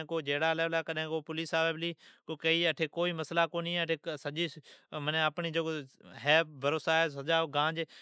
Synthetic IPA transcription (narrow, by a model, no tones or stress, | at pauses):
koːd͡ʒeːɽaːlɛːʋlaːkəɗɦẽːkoːpʊliːsaːʋeːbliːkokəiːəʈʰeːkoːiːməslaːkoːnĩːeəʈʰeːsəʄiːsmənẽəpɳiːd͡ʒoːɦɛːpbəɾoːsaːɦɛːs̬əd͡ʒaːɡãːd͡ʒ